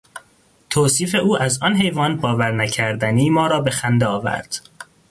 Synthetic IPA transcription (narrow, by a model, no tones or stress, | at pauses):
t̪ʰoːsiːfe̞ʔuːʔæzɒːnɦe̞jvɒːnbɒːvæɾnæcʰæɾd̪æniːmɒːɾɒːbe̞xænd̪eɒːvæ̰ɾd̪̥